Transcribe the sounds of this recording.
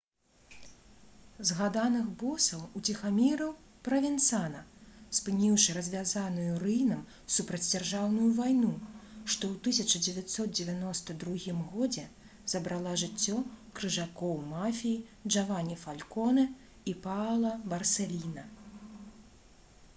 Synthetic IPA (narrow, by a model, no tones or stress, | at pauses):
zɣad̪anɨxbɔsɐwut͡sʲixamʲiɾɐw | pɾɐvʲɛnt̪sanɐspɨnʲiwʂɨɾɐzʲvʲazanujurɨjnɐm | supɾɐd͡zʲd͡zʲarʐawnujuvajnuʂt̪ɔwt̪ɨsʲɐt͡ʂɐd͡zʲɛvʲat̪sɔt̪̚d͡zʲɛvʲanɔst̪ɐd̪ɾuɣʲimɣɔd͡zʲɛ | z̥ɐbɾalˠaʐɨt͡sʲːɔkɾɨʐakɔwmafʲijiʐavanʲifalʲkɔnɨ | ipalˠɐbɐrsʲɛlʲinɐ